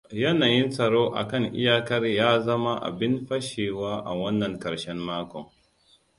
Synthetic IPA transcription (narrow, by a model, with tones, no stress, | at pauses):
jɐ˦naː˨jɪ˦nsɐ˨ɽoː˦ʔa̰˨kɐ˦˨ŋʔɪ̰˦jaː˦kɐ˦rjaː˦zɐ˦ma˦ʔa̰˨bɪ˦nɸɐ˦ʃeː˨waː˦ʔa̰˨wɐ˦nːɐ˨ŋkɐ˨ɽʃɛ˦mːaː˦kʷɔ˨ŋ